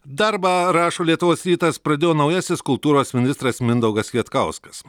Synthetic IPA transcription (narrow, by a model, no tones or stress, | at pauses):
d̪ɐɾbɑɾɑːʃoːlʲiɛt̪ʊʋoːsɾʲiːt̪ɐspɾɐd̪ʲeːjoːnɒʊjɛsʲɪskʊlˠt̪uːɾoːsmʲɪnʲɪst̪ɾɐsmʲɪnd̪ɐʊɡɐsjʲiɛt̪kɐʊskɐs